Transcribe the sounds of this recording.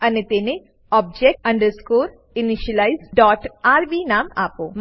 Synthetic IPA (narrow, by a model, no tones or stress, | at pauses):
ɐnet̪ene | ɔːb̚d͡ʒek̚ʈɐ̃ɳɖəɾskuːɾ | iniʃɐlajzɖɔːʈaːɾʋiːnaːma̰ːpoːm